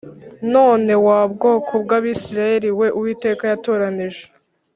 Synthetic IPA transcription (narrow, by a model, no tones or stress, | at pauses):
no̞ːne̞wabɡo̞ːkʰo̞bɡaːβisiɾaje̞ɾiwe̞ʔuwiːte̞ːkajato̞ːɾaniʒe